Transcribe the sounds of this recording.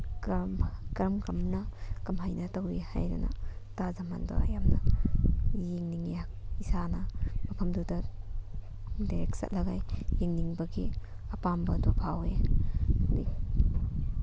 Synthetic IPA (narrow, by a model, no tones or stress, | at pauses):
kmkɾmkɐmnɐkɐmɦajnɐtawiha̰jɾa̰nɐ̰tazama̰ndo̰a̰jamnɐ | jeŋniŋak̚isanɐmɐpʰɐmdudɐ | dajɾek̚sa̰t̚lɐɡajjeŋniŋbɐɡi | ɐpambɐdɔpʰawe | di